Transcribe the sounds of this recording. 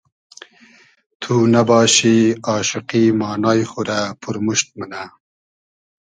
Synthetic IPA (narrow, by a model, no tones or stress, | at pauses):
t̪ʰuːnabɑːɕiɑːʃɪqimɑːnɑːjxuɾapʰuɾmuʃt̪̚mana